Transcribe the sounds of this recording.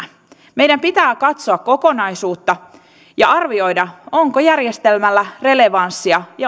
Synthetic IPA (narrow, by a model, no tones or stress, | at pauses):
me̞jdæmpit̪æːkɑt̪soɑkko̞konɑjsuːt̪ːɑ | jɑɑrʋio̞jdɑoŋkojærjest̪elmælːære̞le̞ʋɑnsːiɑjɑ